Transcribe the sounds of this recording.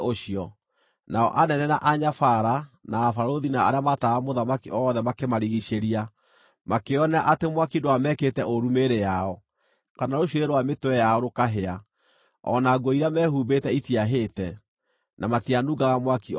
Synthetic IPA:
oɕiɔ | naɔ̰ʔanɛnɛnaʔaɲafaɾanaːfaɾoðinaaɾeamataamoðamakiʔɔːðɛmakemaɾiɣiʃeɾia | makeɔnaʔatemwakidoamɛketɛʔoɾumeɾejaɔ | kanaɾoɕoɾeɾwametowɛjaɔɾokaɦea | ɔ̰naɡoiɾamɛhubetɛitiaɦeːtɛ | namatianuɡaɣamwaki

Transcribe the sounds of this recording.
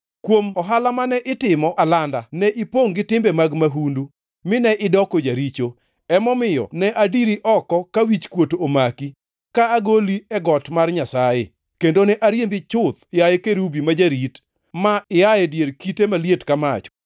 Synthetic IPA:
kwomɔɦalamanɛʔɪtɪmɔʔalandanɛʔɪpoŋɡɪtɪmbɛmaɡmaɦundu | mɪnɛʔɪdɔkod͡ʒaɾit͡ʃo | ɛmɔmɪjɔ̰nɛʔadiɾiʔɔkɔkawit͡ʃkwotomaki | kaːɡoliɛɡɔtmarɲasaje | kendonɛʔaɾjembit͡ʃʊt̪ɪjajekeɾubimad͡ʒaɾit | maɪjajɛdjeɾkitemaljetkamat͡ʃɔ̥

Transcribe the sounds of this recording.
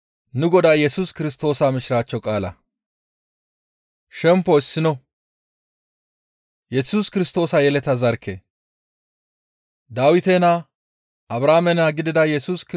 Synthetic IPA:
nʊɡɔd̪aːjɛsuːskɪɾɪst̪o̞ːsaːmɪʃɪɾaːt͡ʃːɔkʼaːlɐ̰ | ʃɛmpːɔɪsːɪnɔ | jɛsuːskɪɾɪst̪o̞ːsɐjɛlɛt̪ɐzɐɾkːḛ | d̪aːwɪt̪eːna | ʔɐbɾaːmɛnaːɡɪd̪ɪd̪ɐjɛsuːsk

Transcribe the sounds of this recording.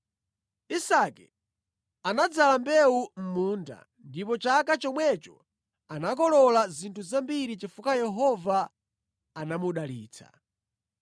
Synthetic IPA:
isakɛ | anad͡zalambɛum̩muːnda̰ | ndipɔt͡ʃakat͡ʃɔmwɛt͡ʃɔ̥ | anakɔlɔlazintʰuzambiɾit͡ʃifukajɛɦɔvaː | namuɗaliːt͡sʰa̰̥

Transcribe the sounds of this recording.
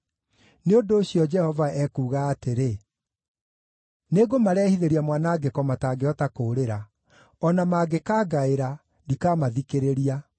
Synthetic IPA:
neondoːɕjɔd͡ʒɛhɔvaɛkuːɣaːteɾe | neɡomaɾɛhiðeɾiamwanaːɡekɔmataːɡeɔtakoːɾeɾa | ɔnamaːɡekaːɡaeɾa | dikaːmaðikeɾeɾia

